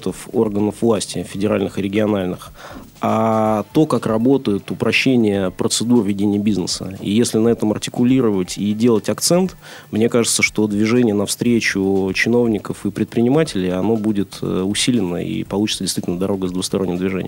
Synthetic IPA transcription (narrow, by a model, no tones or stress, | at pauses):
t̪əforɡənəfvlˠasʲtʲɪfʲɪdʲɪɾa̰lʲnɨxɨɾʲɪɡʲɪɐnalʲnɨx | at̪o̞kakrɐbo̞t̪əjɪt̪ʊpɾʔɐɕːenʲɪjəpɾət̪sɨd̪urvʲɪdʲenʲɪjəbʲiznəsə̰ḭjesʲlʲɪnɐɛt̪əmɐrtʲɪ̥kʊlʲiɾəvətʲidʲe̞lˠətʲɐkt̪sɛnt̪ | mnʲe̞kaʐɨt̪səʂt̪o̞d̪vʲɪʐɛnʲɪjənɐfst̪ɾʲet͡ɕʊt͡ɕɪno̞vnʲɪkəfɨpɾʲɪt̪pɾʲɪnʲɪmatʲɪlʲɪjɐno̞budʲɪt̪əʊsʲilʲɪnə̰ḭpɐlˠut͡ɕɪ̥t̪sədʲɪst̪vitʲlʲnəd̪ɐɾo̞ɡəzd̪vʊxst̪ɐɾonʲːɪmd̪vʲɪʐɛ̰n̰ʲjm